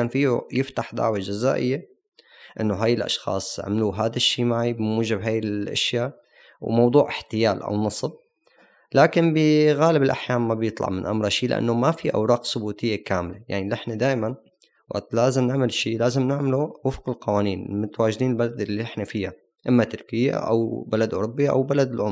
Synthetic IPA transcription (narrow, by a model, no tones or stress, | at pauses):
aːnfiːujɪft̪aħd̪a̰ʕwed͡ʒaza̰ːʔɪ̰jːe | ʔɪnːoɦaːjːɪlʔɑ̰ʃxɑ̰ːsˤʕa̰maluɦaːd̪aʃːiːmaʕibɪmuːʒɪbɦaːjːɪlʔa̰ʃja | wmɑwd̪ˤuːʕɪħt̪ɪjaːlʔa̰wnɑsˤb̚ | laːkɪnbɪɣaːlɪbɪlʔa̰ħjaːmːabjɨt̪ˤlɑ̰ʕmɪnʔa̰mɾˤɑʃiːlɪʔa̰nːomafiʔa̰wɾˤɑːqsˤʊbuːt̪ɪjːakaːmleja̰ʕnilɪħnad̪aːʔman | wa̰ʔt̪laːzɪmnɪʕmalʃiːlaːzɪmnɪʕmaluwɪfqɪlqɑwaːniːnmʊt̪awaːʒd̪iːnɪlbalad̪ɪlːiɪħnafɪja | ʔɪmːat̪ʊɾkɪjːa̰ʔa̰wbalad̪ʔʊ̰ɾʊbːiʔa̰wbalad̪ɪlʔʊm